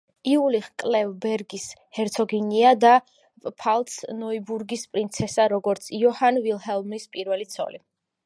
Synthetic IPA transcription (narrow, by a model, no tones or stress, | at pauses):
iuliχkʼlɛvbɛɾɡishɛɾt̪sʰɔɡiniad̪a | pʼpʰalˠt̪snɔibuɾɡispʼɾint̪sʰɛsaɾɔɡɔɾt̪sʰiɔhanvilˠhɛlˠmispʼiɾvɛlit̪sʰɔ̰li